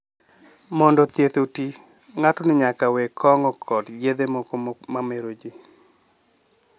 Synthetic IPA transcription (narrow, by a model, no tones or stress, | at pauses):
mɔndɔt̪jet̪oti | ŋatɔnɪɲakawekʰɔŋɔkʰɔdɡed̪emɔkomameɾod͡ʒɪ